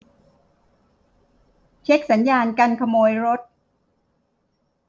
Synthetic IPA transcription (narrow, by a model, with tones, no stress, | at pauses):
t͡ɕʰe˦˥k̚sa˩˦njaː˧nka˧nkʰa˧moː˧jɾo˦˥t̪̚